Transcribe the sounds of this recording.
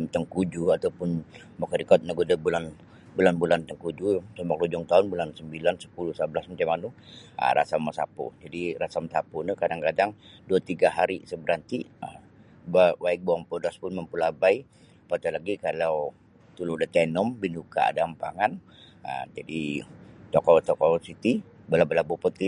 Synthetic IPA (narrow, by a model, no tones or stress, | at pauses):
mt̪əŋkud͡ʒuat̪awpʊn | makaɾikɔt̪̚naɡudabulan | bulanbulant̪əŋkud͡ʒusəmak̚lud͡ʒɔŋt̪aʊnbulansəmbilansə̥pulʊhsəblasmat͡ʃamanʊə̰ɾa̰samːasa̰pʊ̰d͡ʒadirasamsapunikadaŋkadaŋduat̪iɡaɦaɾisəbəɾant̪iəm | babaɪk̚boaŋpodaspʊnməmpulabai | pat̪alaɡikalaw | t̪uludat̪ɛnɔmbinuka̰a̰dampaŋan | ə̰md͡ʒadit͡ʃ̪ɔkɔt̪ɔkɔsit̪i | bəlabəlabupət̪i